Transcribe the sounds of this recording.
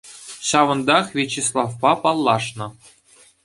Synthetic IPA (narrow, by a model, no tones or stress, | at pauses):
ɕɑʋɤ̆nd̪ɑχvʲet͡ɕːeslˠɑfpɑpɑlˠːɑʂnɤ̆